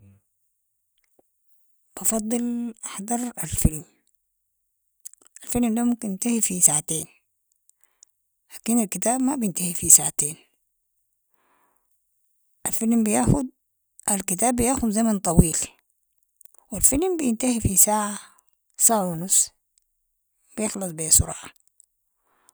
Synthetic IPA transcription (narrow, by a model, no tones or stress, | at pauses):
b̥ɑfɑd̪ˤːɨlʔaħd̪ɑɾˤalfilm | alfilmdaːmumkinːɪnt̪ahifisaʕat̪eːn | laːkinalkit̪aːbmabijɪnt̪ahifisaʕat̪eːn | ʔalfilmbijaːxud̪ | ʔalkit̪aːbːijaːxud̪zamant̪ˤɑwiːl | wilfilmbijɪnt̪ahifisaːʕa | saːʕawnʊs | b̥ijɪxlɑsˤbesʊɾˤɑ̰ːʕa